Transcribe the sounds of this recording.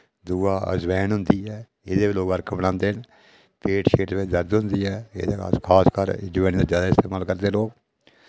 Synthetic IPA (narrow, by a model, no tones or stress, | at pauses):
d̪uːaːə̰zʋɛːnɦʊnd̪iːɛː | ɪd̪eːʋiloːɡəɾkʰbəɽãːnd̪eːn | pʰeːʈʃeːʈ̪ːʋɪt͡ʃd̪əɾd̪ɦʊ̃nd̪iːɦɛːɪ̰d̪eːa̰ːskʰaːskəɾ̰d͡ʒʋɛ̃ːnd̪aːd͡ʒjaːd̪aːɪst̪eːmaːlkəɾd̪eːloːk